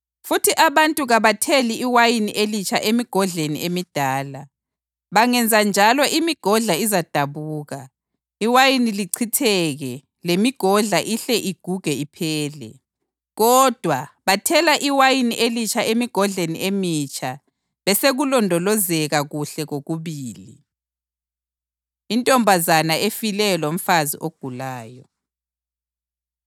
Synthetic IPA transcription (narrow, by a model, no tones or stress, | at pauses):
futʰiʔaβantʼuɣaβatʰeliʔiwajiniʔelit͡ʃʰʼaʔemiɡ̥ʱɔɮeniʔemid̥ʱaːla | βaŋɛnd͡zʱand͡ʒʱalɔʔimiɡ̥ʱɔɮaizad̥ʱaβuːɣa | iwajiniliǀʰitʰɛɣɛ | lemiɡ̥ʱɔɮaʔiɬɛʔiɡ̥ʱuɡ̥ʱɛipʰɛːlɛ̰ | ɣɔd̥ʱwaβatʰɛlaʔiwajiniʔelit͡ʃʰaʔemiɡ̥ʱɔɮeniʔemit͡ʃʰa | βɛseɣulɔndʱɔlɔzɛɣaɣuɬɛɣoɣuβiːli | intʼɔmbʱazanaefilɛjɔlom̩fazḭʔoɡ̥ʱulaːjɔ